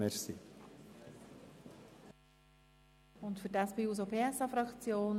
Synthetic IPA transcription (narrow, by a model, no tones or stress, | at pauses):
ɛɾsi | ʊntfʏɾdaspiːuːs̬opʰeːɛsɑfɾɑkt͡sjoːn